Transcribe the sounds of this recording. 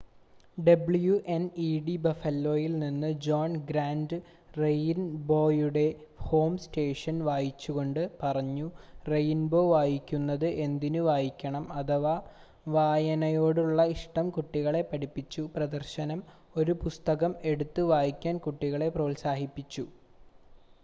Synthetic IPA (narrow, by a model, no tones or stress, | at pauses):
ɖɐbɭjuʔeniɖibɐfɐlːo̞ːjilninːɨd͡ʑoːnɡɾaːndɨ | rejnbo̞ːjuɽe̞ | ho̞ːmste̞ːʂɐnʋaːjit͡ɕːuɣo̞ɳɖɨpɐrɐɲːurejnbo̞ːʋaːjikʲːunːɐðɨʔe̞nd̪inuʋaːjikʲːɐɳɐmɐt̪ɐʋa | ʋaːjɐnɐjo̞ːɽuɭːɐiʂʈɐmkuʈːiɣɐɭe̞pːɐɽipːit͡ɕːuprɐd̪ɐrɕɐnɐm | o̞ɾupust̪ɐɣɐme̞ɽut̪ːɨʋaːjikʲːaːnkuʈːiɣɐɭe̞proːlsaːɦipːit͡ɕːu